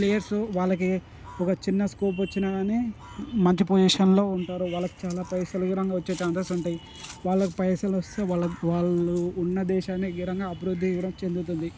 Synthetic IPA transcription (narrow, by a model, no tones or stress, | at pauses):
plejɐɾsuʋaːɭːɐk̬i | ɔkɐt͡ʃinːɐskuːp̬ʋɐt͡ʃːinɐne | mɐɲt͡ʃipod͡ʒiʂɐnlo̞ːuɳʈaːɾuʋaːɭːɐki̥t͡ʃaːlaːpɐjsɐluɡiɾɐŋɡaːʋɐt͡ʃːeːt͡ʃaːnt̪ɐsuɳʈaːji | ʋaːɭːɐkipɐjsɐlɐst̪eːɐʋaːɭːuːnːɐd̪ɛːʃaːnːiɡiɾɐŋɡaːɐbɐɾud̪ʱːiʋɾɐmt͡ʃe̞nd̪ut̪̬und̪i